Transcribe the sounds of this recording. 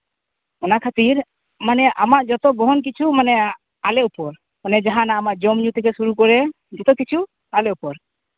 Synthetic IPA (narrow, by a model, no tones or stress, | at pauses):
ɔnakʰat̪iɾ | manɛʔamaʔd͡ʒɔt̪ɔbɔɦɔnk̬it͡ʃʰumanɛ | alɛʔupɔɾ | manɛd͡ʒaɦanaːmaʔd͡ʒɔmɲut̪ɛkɛsuɾukɔɾɛ | d͡ʒɔt̪ɔkit͡ʃʰu | alɛupɔɾ